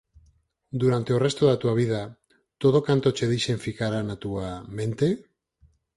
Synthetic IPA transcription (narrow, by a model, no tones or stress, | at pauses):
d̪uɾant̪e̞ore̞st̪oðat̪uaβ̞iða | t̪oðo̞kant̪o̞t͡ʃe̞ðiʃeɱfikaɾanat̪uame̞nt̪e̞